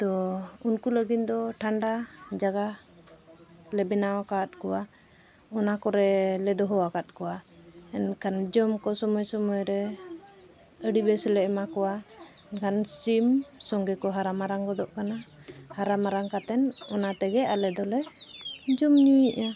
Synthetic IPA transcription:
t̪ɔunkuləɡit̪d̪ɔʈʰaɳɖad͡ʒaɡa | lɛbɛnawakat̪̚kɔwa | ɔnakɔɾɛlɛd̪ɔɦɔwakat̪̚kɔwaɛnkʰand͡ʒɔmkɔsɔmɔjsɔmɔjɾɛ | əɽibɛsɛlɛʔmakɔwa | ɛnkansimsɔŋɡɛkɔɦaɾamaɾaŋkɔd̪ɔʔkanahaɾamaɾaŋkat̪ɛnɔnat̪ɛɡɛalɛd̪ɔlɛ | d͡ʒɔmɲujiʔa

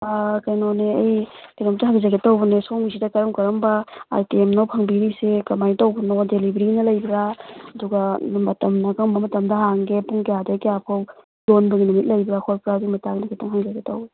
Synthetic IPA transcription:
akajnoneɐ̰jkajnɔmtaɦaŋzaɡetawbɐnesoŋzidɐkɐɾɐmkɐɾɔmbaa̰ɾtiemnowpʰɐŋbiɾisekɐmajtawbɐnodelibɾinɐlɐjbɾaɐduɡamɐtɐmnakɐŋmbɐmɐtɐmdɐɦaŋɡepuŋkjadakejapʰaw | donbɐɡinumit̚lɐjbɾakʰɔlpɾazimɐtaŋnakʰitʰaŋɦaŋzaɡetawb

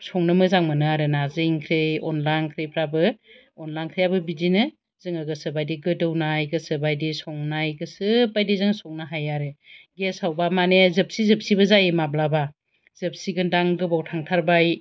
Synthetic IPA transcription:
sɔŋnɯmɯzaŋmɯnɯaɾɯnazɯiŋkʰɾeɔnlajnkʰɾepʰɾabɯ | ɔnlajnkʰɾejabɯbidinɯ | zɯŋɯɡɯsɯbajdiɡɯdɯwnajɡɯsɯbajdisɔŋnajɡɯsɯpajdizɯŋsɔŋnaɦajaɾɯɡesawbamanezɯp̚sizɯp̚sibɯzajemablaba | z̥ɯp̚siɡɯndaŋɡɯbawtʰaŋtʰaɾbaj

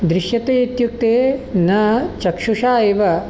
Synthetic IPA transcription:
d̪ɾɪʃjɐt̪eːit̪juk̚t̪eːnɐt͡ʃɐkʂuʂaːjeʋɐ

